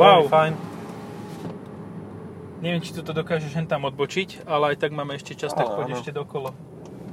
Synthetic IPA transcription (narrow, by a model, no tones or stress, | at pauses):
wawfajn | ɲɛʋɪɛmt͡ʃi̥t̪ɔt̪ɔd̪ɔkaːʒɛʒlɛnt̪amɔd̪̚bɔt͡ʃic | alɛajt̪aɡmaːmɛɛʃcɛt͡ʃast̪akxɔɟɛʃcɛd̪ɔkɔlɔ